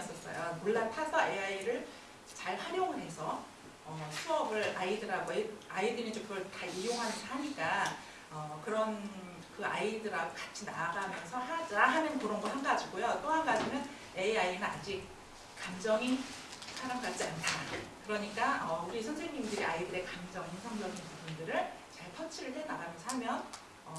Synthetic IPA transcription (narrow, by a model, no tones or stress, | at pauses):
s͈ʌs͈ʌ̰jo̰noɭːatʰasʰʌeaiɾɯɭ | t͡ɕaɭɸwaɾjʌŋɦe̞sʰʌ | ʌsʰuʌbɯɾaidɯɾaɡoeaidɯnid͡ʑokɯɡʌɭtaijoŋɦanʰhaɲik͈a | ʌkɯɾʌn | kɯa̰idɯɾaɡokat͡ɕʰinaɡamjʌnsʰʌhad͡ʑaɦanɯnkɯɾʌnɡʌhaŋɡad͡ʑiɡojot͈oɦanɡad͡ʑimjʌn | e̞ainɯnad͡ʑik̚ | k͈amd͡ʑʌŋin | sʰaɾamɡat͡ɕ͈iantʰakɯɾʌɲik͈aʌuɾisʰʌnsʰe̞ŋɲimdɯɾiaidɯɾe̞kamd͡ʑʌŋinsʰaŋd͡ʑʌŋinpubundɯɾɯɭt͡ɕaɭpʰʌt͡ɕʰiɾɯɭhenaɡamjʌnsʰɦamjʌn | ʌ